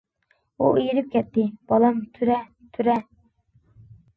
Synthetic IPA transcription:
uijiɾɪp̚kʲʰɛt̪ʰːɪb̥ɑlˠɑmt̪ʰyɾɛ | t̪ʰyɾɛ

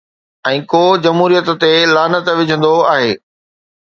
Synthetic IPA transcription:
ɛ̃ːkoːd͡ʑɐmɦuːɾijət̪̆t̪elaːnət̪ʋɪd͡ʑʱə̃nd̪oaːɦeː

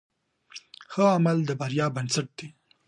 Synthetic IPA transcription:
xəamald̪əbaɾjɑbansaʈ̚d̪̥i

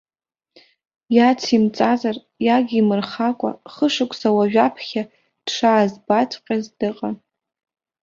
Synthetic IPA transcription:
jat͡sʰimt͡sʼazar | jaɡʲimɨrχakʷʼa̰χəʂɨkʷʰʼsawaʒᶣapʰχʲa | d̥ʂaːzbatʰʼqʲʼazdɨqʼan

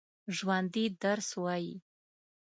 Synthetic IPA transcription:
ʐwandidarswajḭ

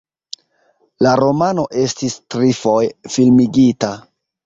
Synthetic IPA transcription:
laɾo̞mano̞ʔe̞stistɾifo̞jfilmiɡita

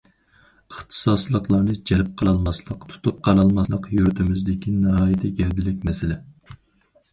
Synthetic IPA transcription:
əχt̪ʰɨ̥sɑslˠəqlˠɑnɨd͡ʒɛlɪp̚qʰəlˠɑlˠmɑslˠəqt̪ʰu̥t̪ʰup̚qʰɑɾɑlˠmɑslˠəqjuɾt̪ʰɪmɪzd̪ɪkʲʰinɨɦɑːjɪt̪ʰɛɡʲɛɾd̪ɪlɪk̚ʲmɛsɪlɪ

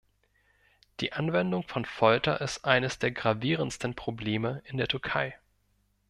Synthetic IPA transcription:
d̥ḭːʔanvɛndʊŋfɔnfɔltɐ̰ʔɪstʔaɪnəsd̥eːɐɡʁaviːʁ̞ənstən̩pʁ̥obleːməɪndeːɐtʰʏɐkʰaɪ

